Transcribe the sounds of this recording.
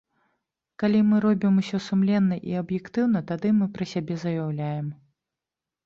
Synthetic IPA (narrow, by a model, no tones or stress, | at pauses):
kalʲimɨɾɔbʲimusʲɔsumlʲɛnːɐʔḭɐbjɛkt̪ɨwn̪ɐt̪ad̪ɨmɨpɾɨsʲabʲɛzɐjawlʲajɛm